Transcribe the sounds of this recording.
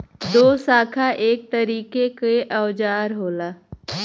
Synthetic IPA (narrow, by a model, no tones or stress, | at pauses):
d̪oːsaːkʰaʔeːk̚t̪əɾiːkekeʔɐʋd͡ʒaːɾɦoːlaː